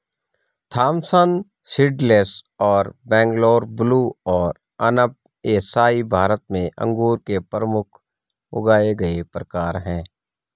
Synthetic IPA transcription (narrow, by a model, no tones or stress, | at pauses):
t̪ʰaːmsən | sɪɖleːsɔːɾbɛ̃ːŋɡloːɾbluːɔːɾ | ənəp̚ | eːsaːibʱaːɾət̪mẽʔə̰̃ŋɡuːɾkepɾəmʊkʰ | ʊ̰ɡaːeɡɐepɾəkaːɾɦɛ̃ː